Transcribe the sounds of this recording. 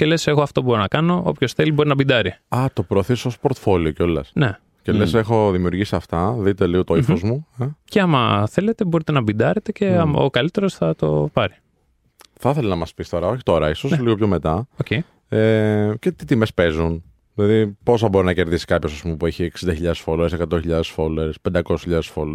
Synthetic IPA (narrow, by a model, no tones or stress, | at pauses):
cele̞se̞ɣo̞ɐft̪o̞bo̞ɾonɐkɐno̞o̞̰pço̞sθelibo̞ɾinɐbid̪ɐɾiɐt̪o̞pɾoːθisospoɾt̪fo̞lioceo̞lɐ̰sne | celesexo̞ðimiuɾʝisiɐft̪ɐðit̪eliɣo̞t̪oifozmueceɐmɐθe̞le̞t̪e̞bo̞ɾit̪e̞nɐbind̪ɐɾet̪e̞ce̞ɐmo̰kɐlit̪e̞ɾosθɐt̪o̞̰pɐɾi | θɐθe̞lɐnɐmɐspist̪o̞ɾɐo̞çi̥t̪o̞ɾɐisosnliɣo̞pçome̞t̪ɐoce | ece̞t̪it̪imespe̞zun | ðilɐðipo̞sɐbo̞ɾinɐce̞ɾðisi̥kɐpçosɐspumepueçiːksind̪ɐçiʎɐðesfoloɾesekɐt̪onçiʎɐðe̞sfoleɾespend̪ɐkosesçiʎɐðesfol